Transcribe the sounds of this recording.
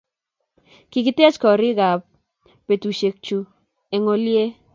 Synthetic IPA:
kɪ˨kɪ˦tɛ˦t͡ʃkɔ˨ɾɪ˦ɡa˨pː | e˨tu˨ʃe˨k̚t͡ʃu˨ | e˨ŋo˦lje˦

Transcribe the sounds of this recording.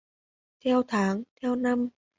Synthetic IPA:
t̪ʰɛː˧˩˨wt̪ʰaː˩˦ŋt̪ʰɛː˧˥˧wna˧˥˨m

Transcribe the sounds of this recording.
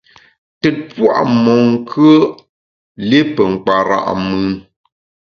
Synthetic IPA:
tɛ˨t̚pwa̰˦˨ʔmɔ˨ŋ˦˨kʰə˦ | le˦pə˨ŋ̩˨k͡pa˨ɾa̰˨ʔmɨ˦n

